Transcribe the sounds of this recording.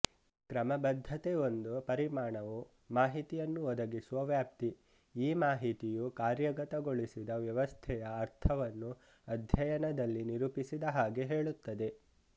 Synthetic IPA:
kɾɐmɐbɐd̪ʱːɐt̪eo̞nd̪upɐɾimaːɳɐʋu | maːɦit̪ijɐnːuɔd̪ɐɡisuʋɐʋjaːp̚t̪i | iːmaːɦit̪ijukaːɾjɐɡɐt̪ɐɡoɭisid̪ɐʋjɐʋɐst̪ʰɛjɐːɾt̪ʰɐʋɐnːu | ɐd̪ʱjɐjɐnɐd̪ɐlːiniɾupisid̪ɐɦaːɡe̞ɦe̞ːɭut̪ːɐd̪e̞

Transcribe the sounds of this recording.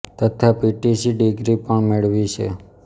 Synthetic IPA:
t̪ət̪ʰapiʈisiɖiɡɾipəɳmeɭʋit͡ʃʰḛ

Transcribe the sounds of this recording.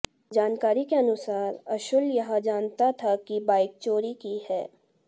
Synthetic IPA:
d͡ʒaːnkaːɾikeɐnʊsaːɾɐʃʊljɐɦãd͡ʒaːnt̪at̪ʰakibaːɪk̚t͡ʃoːɾikihɛː

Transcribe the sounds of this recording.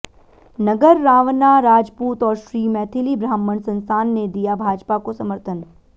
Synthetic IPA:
nɐɡəɾːaːʋnaɾaːd͡ʒpuːt̪ɔːɾʃɾiːmɛːt̪ʰɪlibɾaːmənsɐ̃nst̪ʰaːnːed̪ijabʱaːd͡ʒpakosɐməɾt̪ʰən

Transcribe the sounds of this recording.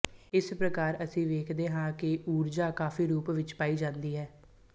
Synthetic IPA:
ɪspɾəkaːɾəsĩːʋeːkʰd̪eːɦãːkɪʔuːɾd͡ʒaːkaːfiːɾuːpʋɪt͡ʃpaːiːd͡ʒãːnd̪iːɦɛː

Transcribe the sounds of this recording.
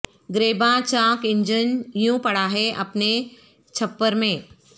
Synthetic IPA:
ɡɾeːbãt͡ʃãːkɪ̃ɲd͡ʒənjũpɐɽaːɦeʔɐpne | t͡ʃʰɐpːəɾmẽː

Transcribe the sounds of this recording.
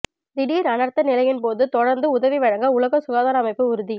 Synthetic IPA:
d̪ɪɽiɾɐnɐɾt̪ɐnɪlɐjɪnpoːðɯt̪ɔɽɐɾnd̪ɯʊðɐʋiʋɐɻɐŋɡɐʊlɐɣɐsʊɣaːðaːɾɐːmɐɪpːɯʊɾʊði

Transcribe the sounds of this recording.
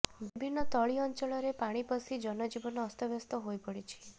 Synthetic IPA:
bibʱinːɔt̪ɔɭiɔnt͡ʃɔɭɔɾepaɽ̃ipəsid͡ʒɔnɔd͡ʒibɔnɔːst̪ɔʋjɔst̪ɔɦojpəɽit͡ʃʰi̥

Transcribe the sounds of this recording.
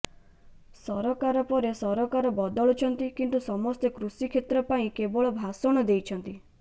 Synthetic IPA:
sɔɾɔkaɾɔpɔɾesɔɾɔkaɾɔbɔd̪ɔɭut͡ʃʰɔnt̪ikint̪usɔmɔst̪ekɾusikʰet̪ɾɔpaĩkeboɭɔbʱasɔ̃ɔd̪ejt͡ʃʰɔnt̪i

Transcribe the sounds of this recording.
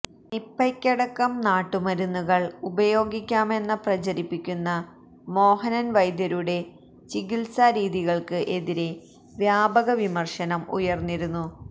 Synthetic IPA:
nipːɐkʲːɐɽɐkːɐmnaːʈːumɐɾunːuɣɐɭubɐjo̞ːɡikʲːaːme̞nːɨprɐt͡ɕɐɾipːikʲːunːɐ | mo̞ːhɐnɐnʋɐjd̪jɐɾuɽe̞ | t͡ɕiɣilsaɾiːðiɣɐɭkɨʔe̞ðiɾe̞ | ʋjaːbɐɣɐʋimɐrʂɐnɐmṵjɐrnːiɾunːu

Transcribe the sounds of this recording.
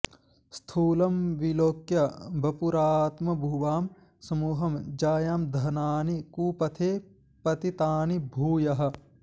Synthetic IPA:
st̪ʰuːlɐmʋiloːkjɐbʱɐpuɾaːt̪mɐbʱuːʋaːm | sɐmuːɦɐmd͡ʒaːjaːmd̪ʱɐnaːnikuːpɐt̪ʰeː | pɐt̪it̪aːnibʱuːjɐɦɐ̆

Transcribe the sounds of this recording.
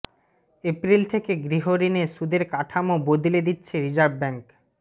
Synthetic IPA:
epɾilt̪ʰekeɡɾiɦoɾineʃud̪eɾkaʈʰamobod̪iled̪itːɕʰeɾid͡ʑaɾ̚bɛŋk

